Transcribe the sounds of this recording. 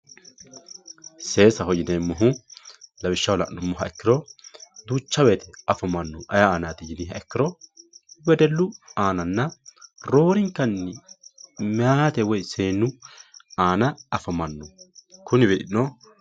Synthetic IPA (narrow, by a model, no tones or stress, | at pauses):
seːsɐhɔd͡ʒɪneːmːɔɦʊlɐbɪʃːɐwlɐ̰ʔnʊmːɔɦɐɛkːɪɾɔd̪uːt͡ʃːɐwet̪ʰɛɐfɐmɐnːɔʔɐjaaːnaːt̪ɪjɪnɪhɐɛkːɪɾɔ | bɛd̪ɛlːʊaːnɐnːɐɾoːɾɪŋkːɐnːɪ | mɛaːt̪ɛwɔjseːnːʊaːnɐɐfɐmɐnːɔkʊnɪbɛᶑɪnːɔ